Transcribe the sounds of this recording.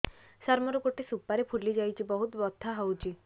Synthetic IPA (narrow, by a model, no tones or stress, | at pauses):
saɾmɔɾɔkoʈesupːaɾepʰuɾlːid͡ʒajt͡ʃʰibɔɦut̪bɔt̪ʰːaɦawt͡ʃʰi